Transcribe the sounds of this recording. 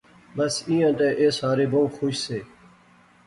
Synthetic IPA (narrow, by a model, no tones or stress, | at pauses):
bəsĩːãːt̪ẽːʔeːsaːɾeːbõũːxoːʃseː